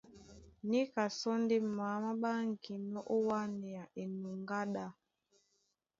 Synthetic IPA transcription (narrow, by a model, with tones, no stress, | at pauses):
ni˦ka˨sɔ˦ndi˦ma˨˦ma˦ɓa˦ŋ̩˨ki˨nɔ˦ʔo˦wa˦nɛ˨a˨ʔe˨nu˨ŋɡa˦ɗa˦